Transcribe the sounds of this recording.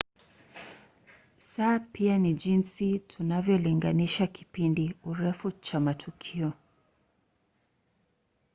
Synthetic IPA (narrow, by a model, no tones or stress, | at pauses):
saːpianiʄinsitʰunavjɔliŋɡaniʃaki̥pindiuɾɛfut͡ʃamatʰukʰiɔ